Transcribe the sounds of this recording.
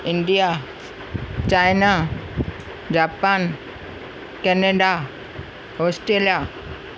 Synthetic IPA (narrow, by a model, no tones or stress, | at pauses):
ɪɳɖija | t͡ɕajna | d͡ʑaːpan | kɛneɖa | ɦoːsʈɾeːlija